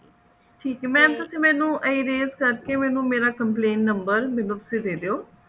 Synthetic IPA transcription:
ʈʰiːkːmɛ̃ːmt̪ʊsĩːmɛ̃ːnũːʔəiːɾeːzkəɾkeːmɛ̃ːnũːmeːɾaːkəmpleːnʈnəmbəɾmɛ̃ːnũːpəsĩd̪eːd̪eːoː

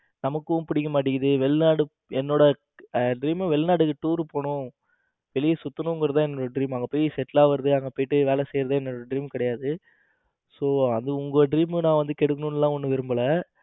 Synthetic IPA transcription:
nɐmɐkːɯʊ̃pɪɽɪkːɐmaːʈːɪkːɐðɯʋɛɭnaːɽɯ | ɛnːoːɽɐ | ɖɾiːmɐʋɛɭnaːɽɯkːɯʈuːɾpoːɳʊ̃ | ʋɛlɪjɐsʊt̪ːɐnʊ̃ŋɡɾɐt̪ãːɛnːoːɽɐɖɾiːmɐŋɡɐpoːjisɛʈːlaːʋɐɾɐðɯɐŋɡɐpoːjɪʈːɯʋeːlɛsɛjɾɐðɯːɛnːoːɽɐɖɾiːmkɪɽɐjaːðɯ | soːɐnðɯʊŋɡɐɖɾiːmɯnãːʋɐnd̪ɯkɛɽɯkːɐnʊ̃nɪlːãːɔnːɯʋɪɾɯmbɐlɐ

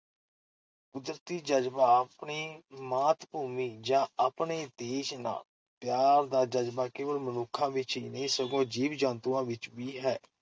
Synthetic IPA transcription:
ʊd̪ɾt̪iːd͡ʒəd͡ʒbaːəpɳiːmaːt̪buːmiːd͡ʒãːapɳeːd̪eːʃna̰ːl | pjaːɾd̪aːd͡ʒəd͡ʒbaːkɪʋəlmənʊkʰːãːʋɪt͡ʃɦiːnəĩːsəɡõːd͡ʒiːʋd͡ʒãːnt̪ũːãːʋɪt͡ʃʋiːɦɛː

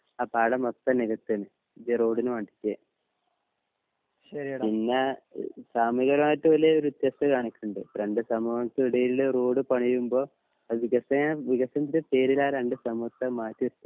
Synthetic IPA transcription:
aːpaːɽɐmɐt̪ːɐniɣɐt̪ːɐnɨ | idero̞ːɽinɨʋɐɳɖi̥kʲːe | ɐpinːa̰saːmiɣɐɾmaːtːɨʋɐleoɾuut̪jɐsɐkaːɳikʲːuɳɖɨɾeɳɖɨsɐmuɐɐt̪ːɨiɽɐjilileroːɽɨpɐɳijumbo̞ː | ʋiɣɐsɐjɐʋiɣɐsɐnt̪iɾepe̞ːɾilaːɾeɳɖɨsɐmɐt̪ːɐmaːtːuɐt̪ːɨ

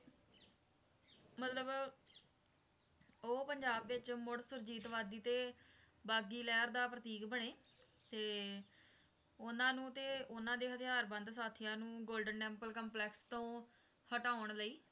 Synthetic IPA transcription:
mət̪ləb | oːpəɲd͡ʒaːbʋɪt͡ʃmʊɽsʊɾd͡ʒiːt̪ʋaːd̪iːt̪eː | baːɡiːlɛːɾd̪aːpɾət̪iːkbəɳeː | t̪eː | ʊnãːnũːt̪eːʊnãːd̪eːɦət̪ʰɪjaːɾbə̃nd̪saːt̪ʰɪjãːnũːɡoːlɖənːɛ̃ːmpəlkəmplɛːkst̪õː | həʈaːʊɳləiː

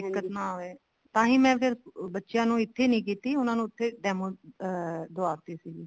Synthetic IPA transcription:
ɪkːət̪naːɦoeː | t̪ãːɦĩːmɛ̃ːpʰɪɾbətːʃjãːnũːɪt̪ʰːeːnĩːk̬iːt̪iːʊnãːnũːɪt̪ʰːeːɖɛːmõː | d̪oaːɾt̪iːsiːɡiː

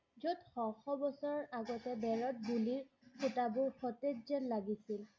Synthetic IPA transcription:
zotxɔxɔbɔsɔɹɔaɡɔtɛbɛɹɔt̚buliɹ | kʰutabuɹxɔtetzɛnlaɡisil

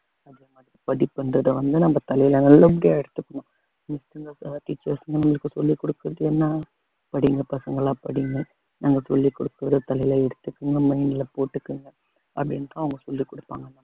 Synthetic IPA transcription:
ɐðeːmaːðɾipɐðɪpːɐnrɐðɐʋɐnd̪ɯnɐmːɐt̪ɐlɐjɪlɐnɐlːɐp̬ɪɽɪjaːɛɽɯt̪ːɯkːɐɳʊ̃ | mɪsʈɯŋɡɐsʈiːt͡ʃːɐɾsɐŋɡɐnɐmːɐɭɯkːɯsɔlːikɔɽɯkːɯɾɐðɯɛnːaː | pɐɽɪŋɡɐpɐsɐŋɡɐɭaːpɐ̰ɽɪŋɡɐ | naːŋɡɐsɔlːikɔɽɯkːɯɾɐðɯt̪ɐlɐjɪlɐɛɽɯt̪ːɯkːɯŋɡɐmɐɪnɪlɐpoːʈːɯkːɯŋɡɐ | ʔɐ̰pːɽɪnːɯt̪ãːɐʋɐŋɡɐsɔlːikɔɽɯpːa̰ːŋɡɐnːɐ

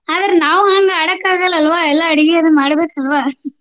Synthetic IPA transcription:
ɐðɐɾnaːʋaːŋɡɐːɽɐkːaːɣɐlɐlʋaːɛlːaːɐɽɪɣɪɐðɯmaːɽɯbeːkɐlʋaː

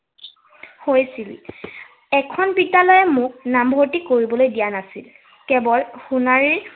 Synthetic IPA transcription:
hojsil | ɛkʰɔnbidalɔjɛmʊk̚nambʱoɹtikoɹibɔlojdijanasḭl | kɛbɔlxunaɹiɹ

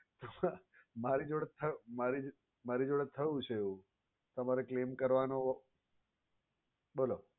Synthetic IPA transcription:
t̪əm | maɾid͡ʒoɽt̪ʰəmaɾi | maɾid͡ʒoɽət̪ʰːəjũt͡ʃʰeeʋũ | t̪əmaɾeklemkəɾʋano | bolo

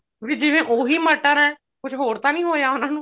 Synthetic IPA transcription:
biːd͡ʒɪʋẽːʔoːɦiːməʈːaɾɛ̃ː | kʊt͡ʃʰɦoːɾt̪ãːnĩːɦoːjaːʊnãːnũː

